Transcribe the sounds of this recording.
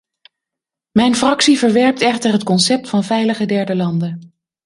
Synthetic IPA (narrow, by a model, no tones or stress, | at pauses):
mɛjnfrɑksivəɹʋɛɹp̚tɛχtəɹɦətkɔnsɛp̚tfɑnvɛjləχədɛɹdəlɑndən